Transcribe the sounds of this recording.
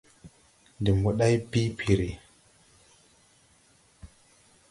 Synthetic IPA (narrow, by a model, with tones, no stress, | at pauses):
ndi˨mbu˨ɗa˦jpi˦pʰi˨ɾi˨